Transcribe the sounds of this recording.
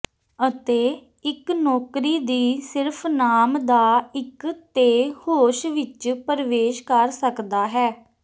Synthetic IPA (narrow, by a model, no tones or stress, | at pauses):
ət̪eː | ɪknɔːkɾiːd̪iːsɪɾpʰnaːmd̪aːɪkt̪eːhoːʃʋɪt͡ʃpəɾəʋeːʃkəɾsəkd̪aːɦɛː